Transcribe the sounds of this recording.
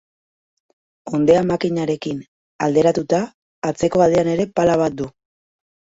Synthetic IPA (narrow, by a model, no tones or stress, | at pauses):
o̞nd̪eamakiɲaɾe̞kin | a̰ld̪e̞ɾat̪ut̪aː | t͡se̞ko̞βaðeane̞ɾe̞palaβ̞at̪̚d̪u